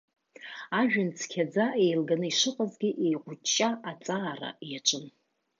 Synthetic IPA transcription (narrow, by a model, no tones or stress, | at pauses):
aʒᶣʊnt͡sʰkʲʰad͡zaʔejlɡanɨiʂɨqʼazɡʲɪʔejqʷʊt͡ʃʼːaat͡sʼaːra̰jaʈ͡ʂʷʼɨn